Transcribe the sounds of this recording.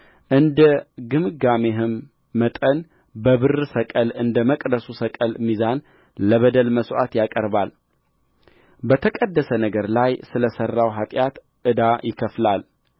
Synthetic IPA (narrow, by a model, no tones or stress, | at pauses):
ʔɨnd̪əɡɨmɨɡameɦɨmː | ət̪ʼən | bəβɨrsəkʼəlɨnd̪əməkʼd̪əsusəkʼəlmizan | ləβəd̪əlməsʔa̰t̪jakʼəɾbal | bət̪ʰəkʼəd̪ːəsənəɡəɾlajsɨləsərːawɦat̪ʼjat̪ | ʔɨd̪ajɪkʰəflal